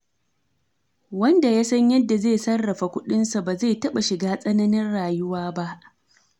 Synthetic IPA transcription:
wɐ˦nda˨jaː˦sɐ˦ɲjɐ˦dːa˨zeː˦˨sɐ˦rːɐ˨ɸa˨kʷʊ˦ɗɪ˦nsa˨baː˨zeː˦˨tɐ˦ɓa˨ʃɪ˨ɡaː˦sʼɐ˦nɐ˦nɪ˦nɽaː˨jʊ˦waː˦ba˦ʔ

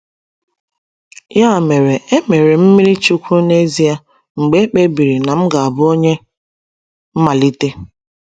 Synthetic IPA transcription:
ja˦˨me˨ɾe˨e˦me˨ɾe˨m̩˦mi˦ɾi˦t͡ʃu˦kʷu˦ne˦zi˦a˦ | ŋ͡m̩˨ɡ͡be˦k͡pe˦bi˨ɾi˨na˨m̩˦ɡa˨a˨bʊ˦o˦ɲe˦ | m̩˦ma˨li˦te˦

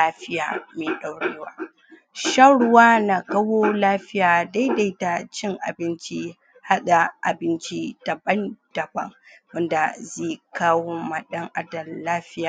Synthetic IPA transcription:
aː˦ɸɪ˦ja̰ː˨meː˨ɗa˨wɽeː˦waː˦ | ʃɐ˦ɽwaː˦na˨kɐ˦woː˦laː˦ɸɪ˦jaː˨da˦jda˦˨jta˨t͡ʃɪ˦ŋʔa̰˨bɪ˦nt͡ʃi˦ | ha˦ɗa˨ʔa̰˨bɪ˦nt͡ʃi˦d̥ɐ˨bɐ˦nd̥ɐ˨bɐ̰˦ŋwɐ˦nda˨zeː˦˨kaː˦woː˦mɐ˨ɗɐ˦ŋʔa˦dɐ˨lːaː˦ɸɪ˦jaː˨

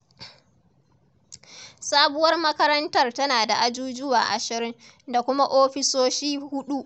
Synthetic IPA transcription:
saː˦bʊ˦wɐ˦rmɐ˦kɐ˦ɾɐ˦ntɐ˦rtɐ˦naː˨da˨ʔa˦d͡ʒuː˦d͡ʒʊ˦wa̰ː˨ʔa̰˨ʃɪ˨ɾɪ˦ŋ | da˨kʷʊ˦ma˦ʔoː˦ɸɪ˦soː˦ʃiː˦hʊ˦ɗu˦ʔ

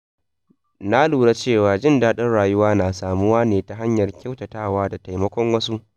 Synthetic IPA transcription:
na˦luː˨ɽa˦t͡ʃeː˦˨waː˨d͡ʒɪ˦ndaː˦ɗɪ˦nɽaː˨jʊ˦waː˦naː˨saː˨mʊ˦waː˦neː˨ta˨ɦa˦ɲjɐ˨rkʲa˦wtɐ˨taː˦˨waː˦da˨ta˨jmɐ˦kʷɔ˦ŋwɐ˦su˦ʔ

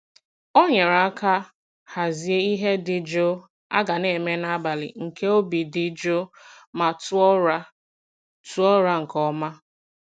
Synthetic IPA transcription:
o˦ɲe˨ɾa˨a˦ka˦ | ha˨zi˨e˦i˦ɦe˦dɪ˨d͡ʒo˦ | a̰˦ɡa˨ne˨me˦na˦ba˨lɪ̰˨ŋ̩˨ke˦o˦bi˨dɪ˨d͡ʒo˦ma˨tu˦ɔ˦ɾa˦ | tu˦ɔ˦ɾa˦ŋ̩˨kɔ˦ma˦

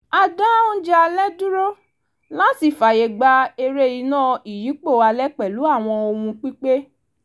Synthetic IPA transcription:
a˧dã˦o˦d͡ʒɛ˦a˧lɛ˦dũ˦ɾo˦ | lã˦si˨fa˨je˨ɡ͡ba˧e˧ɾe˦˨ji˨˦nãː˦˨i˨ji˨˦k͡po˦˨a˧lɛ˦k͡pɛ˨lu˨˦a˦˨w̃ɔ̃˧o˧hũ˧k͡pi˦k͡pe˦

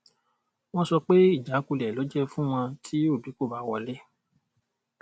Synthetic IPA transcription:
w̃ɔ̃˦sɔ˧k͡pe˦i˦˨d͡ʒa˨˦ku˧lɛ˨lɔ˨˦d͡ʒɛ˦fũ˦w̃ɔ̃˧tʰi˨˦o˦˨bi˨˦ko˦˨ba˧˦wɔ˧lɛ˦

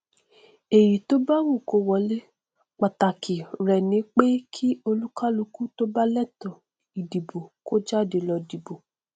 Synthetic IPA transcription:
e˨ji˨to˦ba˦wu˦˨ko˧wɔ˧le˦ | k͡pa˨ta˨kʰi˨ɾɛ˨nĩ˨˦k͡pe˦kʰi˦o˧lu˦ka˦lu˧ku˦to˦ba˦lɛ˦˨tɔ̃˨ | i˨di˨bo˨ko˦d͡ʒa˦˨de˧lɔ˧di˨bo˨

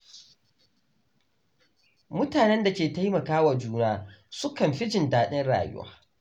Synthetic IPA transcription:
mʊ˦taː˨nɛ˦nda˨kʲeː˨ta˦jmɐ˨kaː˦wa˨d͡ʒuː˦naː˦sʊ˦kɐ˨mɸɪ˦d͡ʒɪ˨ndaː˦ɗɪ˦nɽa̰ː˨jʊ̰˦wa̰ː˦

